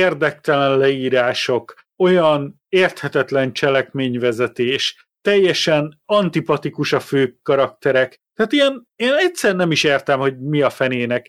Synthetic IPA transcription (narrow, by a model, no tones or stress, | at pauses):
eːrd̪ɛk̚t̪ɛlɛnlɛiːɾaːʃo̞k | o̞jɒn | eːrt̪hɛt̪ɛt̪lɛnt͡ʃɛlɛkmeːɲvɛzɛt̪eːʃ | t̪ɛjːɛʃɛnɒnt̪ipɒt̪ikuʃɒføːkːɒɾɒkt̪ɛɾɛk | t̪ɛaːt̪ijɛn | eːnɛtsɛrnɛmiʃeːrt̪ɛmho̞ɟmiɒfɛneːnɛk